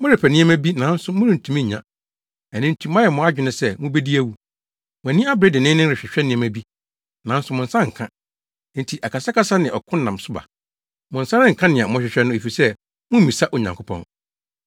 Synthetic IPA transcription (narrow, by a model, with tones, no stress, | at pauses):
mʊ̃˦ɾɪ˨pʰɛ˨nɪ̃˦ɛ˦mæ˦bi˦nã˨˦n̩˦sʊ˨mʊ̃˦ɾɪ˨n̩˨tʰũ˨mĩ˦ɲ˨ɲã̰˦ | æ˨nɪ̃˦n̩˦tʰũ˦mã˦jɛ˨mʊ̃˨˦a˦d͡ʑᶣɪ˨nɪ̃˦sɛ˦mʊ̃˦be˦di˦æ˦˨wu˦ | mʊ̃˨æ˨nĩ˦a˦bɾe˦dɪ˨nɪ̃˦nɪ̃˦ɾɪ˨ɕᶣɛ˨ɕᶣɛ˦nɪ̃˦ɛ̃˦mæ˨bi˦ | nã˨˦n̩˦sʊ˨mʊ̃˨n̩˨sã˦ŋ̩˨kʰã˦ | n̩˦tʰi˨ʔa˨kʰa˨sa˦ka˦sa˦nɪ̃˨ʔɔ˨kʰʊ̃˦n˦nã˨msʊ˦ba̰˨ | mʊ̃˨n̩˨sã˦ɾɪ̃˦ŋ̩˨kʰã˦nɪ̃˨ã˨mʊ̃˦ɕᶣɪ˨ɕᶣɛ˦nʊ̃˦e˨fi˨sɛ˦ | mʊ̃˦m̩˦mĩ˨sa˦ʔo˨ɲã˨ŋkʰʊ˦pʰɔ̰̃˨n